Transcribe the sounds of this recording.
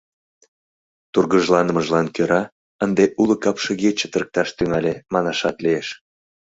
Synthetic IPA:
t̪urɣəʒlɑnəməʒlɑnkøɾɑ | ənd̪eʔuləkɑpʃəɣet͡ɕet̪ərk̚t̪ɑʃt̪yŋɑlʲemɑnɑʃɑt̪lieʃ

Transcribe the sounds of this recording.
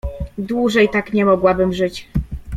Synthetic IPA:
d̪wuʐɛjt̪akɲɛmɔɡwabɘmʐɘt͡ɕ

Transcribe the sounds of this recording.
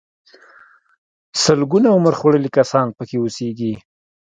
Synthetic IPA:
səlɡunaʊməɾχoɽəlikasɑnpəkeuseɡi

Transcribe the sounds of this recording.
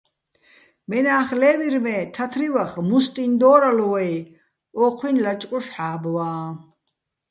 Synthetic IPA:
mɛnaːχlɛːviɾmɛt̪ʰat̪ʰɾiwaχmust̪ʼind̪ɔːɾalɔwaj | ɔːqʰwinlat͡ʃʼkʼɔʃħaːbwaː

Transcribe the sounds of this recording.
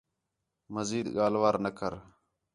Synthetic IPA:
məziːd̪ɠaːlʋaːɾnəkʰəɾ

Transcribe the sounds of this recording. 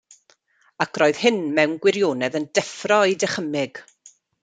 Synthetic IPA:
akʰroːɨð̥hɪnmɛwnɡwɪɾjoːnɛðəndɛfrɔidɛχəmɪɡ̥

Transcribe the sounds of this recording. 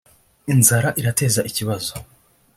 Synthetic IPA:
inzaɾaʔiɾate̞ːzaʔiciβazo

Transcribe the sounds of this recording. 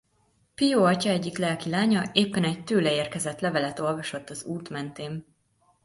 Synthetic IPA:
pijoːɒcɒɛɟːiklɛlkilaːɲɒeːpːɛnɛc̚t̪øːlɛeːrkɛzɛt̪lɛvɛlɛt̪o̞lvɒʃo̞t̪ːɒzuːt̪mɛnt̪eːm

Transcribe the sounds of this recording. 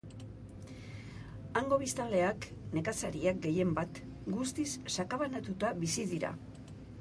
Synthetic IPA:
aŋɡo̞β̞ist̪ale̞akne̞kasaɾiak̚ɡe̞je̞mbat̪ | ɡust̪isːakaβanat̪ut̪aβisiðiɾa̰

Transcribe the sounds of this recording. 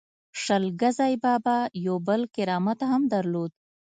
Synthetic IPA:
ʂɐlɡazɑːjbɑːbajobəlkɪɾɑːmat̪aɦamd̪ɐɾloːd̪̚

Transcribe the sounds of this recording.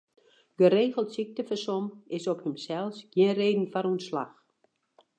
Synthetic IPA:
ɡ̥əɾeːɣəlˠtsik̚təfəsɔmɪsɔphəmsɛlˠsɡ̥jinreːdn̩fanunsla̰x

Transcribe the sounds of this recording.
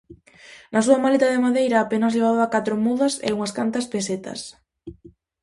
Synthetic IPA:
nɐsuɐmalet̪ɐðɪmaðejɾɐːpenɐzʎeβ̞aðʊakat̪ɾʊmuðɐsḛuŋɐskant̪ɐspeset̪ɐ̰s

